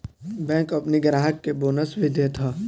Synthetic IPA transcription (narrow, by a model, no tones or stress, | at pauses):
bɛ̃ːkɐpniɡɾaːɦəkːeboːnəsbʱid̪ʱet̪ʰaː